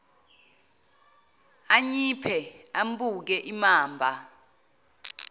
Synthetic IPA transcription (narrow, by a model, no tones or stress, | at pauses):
aɲipʰɛambuk̬ɛʔimaːmbʱa